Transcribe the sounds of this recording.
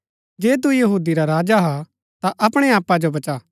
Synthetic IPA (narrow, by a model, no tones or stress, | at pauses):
d͡ʒeːt̪̬ujɐɦuːd̪iɾaɾaːd͡ʒaɦa | t̪aʔɐpɽ̃eaːpːad͡ʒobɐt͡ʃaː